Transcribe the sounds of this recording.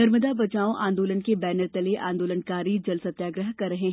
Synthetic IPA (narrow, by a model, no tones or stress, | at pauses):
nɐɾməd̪abɐt͡ʃaːõʔãːnd̪oːlənkebɛːnəɾt̪ɐleʔã̰ːnd̪oːlənkaːɾid͡ʒɐlsɐt̪jaːɡɾəɦkɐɾːɐɦeɦ